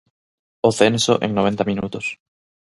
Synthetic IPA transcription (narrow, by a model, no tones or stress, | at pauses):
oθenso̰ʔeŋnoβ̞ent̪amĩnut̪os